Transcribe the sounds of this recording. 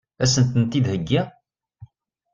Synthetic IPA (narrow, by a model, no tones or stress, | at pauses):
æsənt̪ənt̪id̪həɡːæ